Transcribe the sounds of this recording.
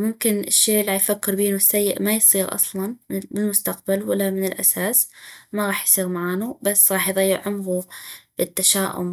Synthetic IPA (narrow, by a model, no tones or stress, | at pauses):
mʊmkɪnɪʃːeːʔlˤːaːħjfakːɪɾbiːnusːajːɪ̰ʔmajsˤiːɣʔɑ̰sˤlɑnbɪlmʊst̪aq̚balwalːamɪnɪlʔa̰saːsmaɣɑːħjsˤiːɣmaʕaːnubasːɣɑːħjðˤɑjːɪʕʊmɣub̥ɪt̪ːaʃaːʔʊ̰m